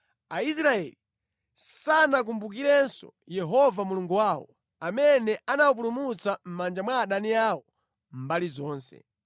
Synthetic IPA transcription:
ais̬ɾaɛli | sanak̬umbuk̬iɾɛnsɔ̰ | jɛɦɔvamuluŋɡuwaːwɔ̰ | amɛnɛʔanawup̬ulumut͡sam̩mand͡ʒamwaːɗaniawɔ | m̩balizɔːnsɛ̰

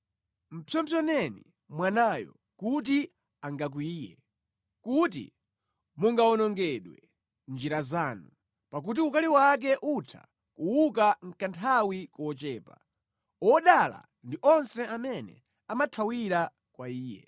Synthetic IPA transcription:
m̩pʰjɔmpʰjɔnɛnḭ | mwanajɔ̰ | kut̬i | aŋɡak̬wuiːjɛ̰ | kut̬ḭ | muŋɡaɔnɔŋɡɛɗwɛ̰ | nd͡ʒiɾazaːnu | pak̬ut̬iukaliwak̬ɛʔutʰa̰ | kuwukaŋ̩kantʰawikɔt͡ʃɛːpa | ɔɗala̰ | ndiʔɔnsɛamɛnɛ̰ | amatʰawiɾa | kwaiːjɛ̰

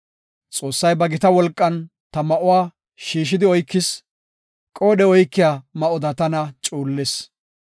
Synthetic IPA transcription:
t͡sʼo̞ːsːɐjbɐɡɪt̪ɐwɔlkʼːɐn | t̪ɐmɐʔʊwaː | ʃiːʃ̬ɪd̪ɪɔjkːɪs | kʼoːɗɛɔjkːɪjamɐʔɔd̪ɐt̪ɐnɐt͡ʃʼuːlːɛs

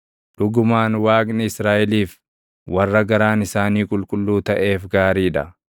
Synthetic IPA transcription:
ᶑʊɡʊmaːnwaːknɪɪsɾaːʔɛliːf | wɐrːɐɡɐɾaːnɪsaːniːkʼʊlkʼʊlːuːt̪ɐʔe̞ːfɡaːɾiːᶑɐ̰

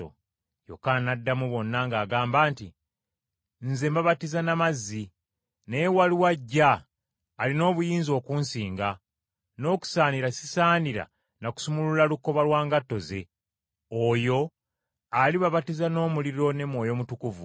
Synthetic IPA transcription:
o̰ | jo̰kːanadːamuβo̞nːaŋɡaːɡaːmbaːnti | n̩ze̞mbaβatizanamazːi | nejewaliwaɟːaː | lino̞ːβujiːnzo̞ːkuːnsiːŋɡa | no̞ːku̥saːniɾasisaːniɾa̰ | naku̥sumululaluko̞βalwaːŋɡatːo̞ze̞ | oːjo̞ | aliβaβatizano̞ːmuliɾo̞ne̞mwo̞ːjo̞mutukuvu

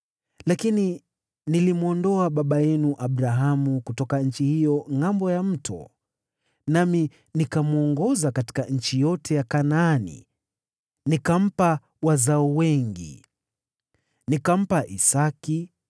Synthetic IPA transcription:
lakini | nilimuɔndɔaɓaɓajɛnuʔaɓɾaɦamukutɔkaɲ̩t͡ʃihijɔŋambɔjam̩tʰɔ̰ | nami | nikamuɔŋɡɔzakati̥kaɲ̩t͡ʃijɔtʰɛjakanaanḭ | nikam̩pa | wazaɔwɛŋɡḭ | nikam̩paʔisaki

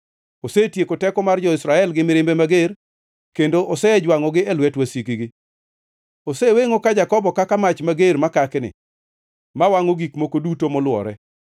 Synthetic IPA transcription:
osetjekotɛkɔmard͡ʒɔɪsɾaɛlɡɪmɪɾɪmbemaɡer | kendoʔosɛd͡ʒwaŋɔɡɪɛlwɛtwasikiɡɪ | oseweŋokad͡ʒakɔbɔkakamat͡ʃmaɡeɾmakaknɪ̰ | mawaŋoɡikmokodutomɔlwɔ̰ɾɛ

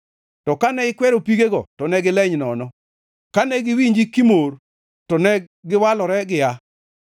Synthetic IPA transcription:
tɔkanɛɪkwɛɾopiɡeɡɔtɔnɛɡɪlɛɲnɔnɔ | kanɛɡɪwiɲd͡ʒikimor | tɔnɛ | ɡɪwalɔɾɛɡɪa

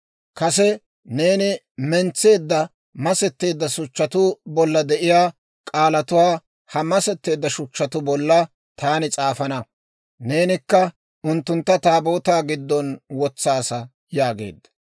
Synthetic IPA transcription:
kɐsɛ | ne̞ːnɪ | mɛnt͡sːe̞ːd̪ːɐ | mɐsɛt̪ːe̞ːd̪ːɐsʊt͡ʃːɐt̪ʊbɔlːɐd̪ɛʔɪjaː | kʼaːlɐt̪ʊwaː | hɐmɐsɛt̪ːe̞ːd̪ːɐʃʊt͡ʃːɐt̪ʊbɔlːɐ | t̪aːnɪt͡sʼaːfɐnɐ | ne̞ːnɪkːɐ | ʊnt̪ːʊnt̪ːɐt̪aːbo̞ːt̪aːɡɪd̪ːɔnwɔt͡sːaːsɐ | jaːɡe̞̰ːd̪ːɐ̥

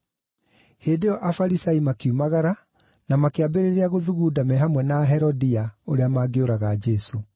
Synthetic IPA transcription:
heːndeɔʔafaɾisaimakiumaɣaɾa | namakeabeɾeɾeaɣoðuɣuːdamɛɦamwɛnaɦɛɾɔdiaoɾeamaːɡeoɾaɣad͡ʒɛso

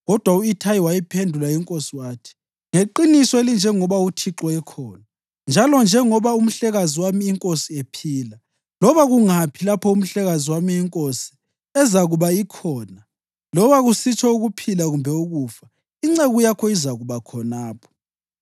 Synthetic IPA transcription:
ɣɔd̥ʱwauitʰajiwajipʰendʱulajiŋkʼosiwaːtʰi̥ | ŋeǃinisɔelind͡ʒʱɛŋɔβautʰiǁɔɛkʰɔːna | nd͡ʒʱalɔnd͡ʒʱɛŋɔβaum̩ɬɛɣaziwamiːŋkʼosiepʰiːla | lɔβaɣuŋapʰilapʰɔum̩ɬɛɣaziwamiɛŋkʼosi̥ | ɛzaɣuβaikʰɔːna | lɔβaɣusit͡ʃʰɔuɣupʰilaɣumbʱɛuɣuːfa | iŋ͡ǀeɣujakʰɔizaɣuβakʰɔnaːpʰɔ̥

